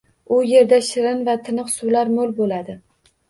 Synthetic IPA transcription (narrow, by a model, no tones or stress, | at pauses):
ʊje̞ɾd̪aʃɪɾɪnvat̪ʰɪnɨqsʊlaɾmolˠbolad̪ɪ